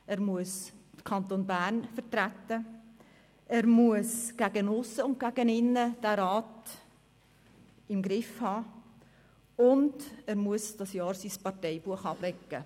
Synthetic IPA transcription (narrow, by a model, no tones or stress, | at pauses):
ɛːɾmuəsəkʰɑnt̪oːnbæːɾnfəɾtɾæt̪ə | æːɾmuəsɡ̥æɡənʊsːəʊnt̚ɡ̥æɡənɪnːəd̥æɾɑːt | ɪmɡɾɪfhɑː | ʊndæːɾmuəsd̥ɑsjɑːɾsiːspɑrtɛɪb̥uəχɑːb̥ɾɛkːə